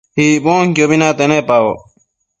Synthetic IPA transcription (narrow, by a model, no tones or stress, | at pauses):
hiːboːŋkjoːbinãːt̪enẽːpaːwo̰ː